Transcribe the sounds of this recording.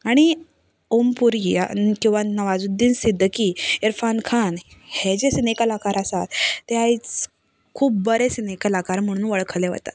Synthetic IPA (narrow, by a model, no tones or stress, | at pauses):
aɽ̃i | ompuɾia̰kĩw̃ʋanəʋad͡zud̪ːiːnsid̪ʱkiːeɾfankʰanhed͡ʑesinekəlakaɾasat̪ːeait͡s | kʰuːp̚bəɾesinekəlakaɾm̤əɽ̃ũːnʋəɭkʰəleʋ̤ə̰t̪a̰t̪